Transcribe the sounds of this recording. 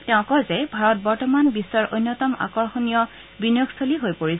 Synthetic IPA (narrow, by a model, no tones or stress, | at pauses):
tɛʊ̃kɔzɛbʱaɹɔt̚bɔɹtɔmanbisːɔɹʔojnːɔtɔma̰kɔɹxonijɔ | binjokstʰoliɦojpoɹis